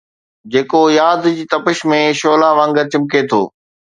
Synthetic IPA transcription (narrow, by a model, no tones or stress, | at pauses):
d͡ʑeːkojaːd̪d͡ʑiːt̪ɐpɪʃmẽʃoːlaʋə̃ŋɡət͡ɕɪmket̪ʰo̰ː